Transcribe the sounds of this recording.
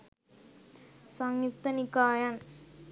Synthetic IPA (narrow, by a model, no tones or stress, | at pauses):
sɐŋjuk̚t̪ɐnikaːjɐn